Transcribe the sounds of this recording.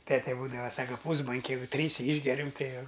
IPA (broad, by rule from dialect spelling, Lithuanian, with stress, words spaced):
ˈtʲæːtʲɛ ˈbuːdɐʋɐ ˈsɑːkɐ ˈpuːzboːŋʲkʲɛ ˈjɛɪɡʊ ˈtʲrʲiːsʲɛ ˈiːʒʲɡʲɛrʲɛm ˈtɐɪ ˈjɛʊ